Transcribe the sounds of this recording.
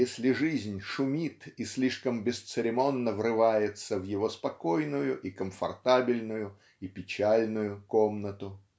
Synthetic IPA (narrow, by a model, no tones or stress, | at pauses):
jesʲlʲɪʐɨzʲnʲʂʊmʲit̪isʲlʲiʂkəmbʲɪst̪sɨɾʲɪmo̞nːəvrɨvajɪt̪səvjɪvo̞spɐko̞jnʊjʊʔikəmfɐ̰rt̪abʲɪlʲnʊjʊ | ipʲɪt͡ɕalʲnʊjʊkomnət̪ʊ